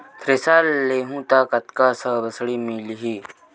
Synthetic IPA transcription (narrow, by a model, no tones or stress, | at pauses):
t̪ʰɾesaːlːeːɦũt̪aːkət̪kasəbəsɽimilɦiː